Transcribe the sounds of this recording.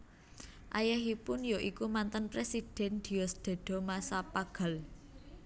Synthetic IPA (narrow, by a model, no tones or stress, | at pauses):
ʔajaɦipʊnjoʔikumant̪ənpɾesid̥ɛ̤nd̪̥i̤jɔsd̪̥a̤ɖ̪̥ɔ̤masapaɡ̥a̤l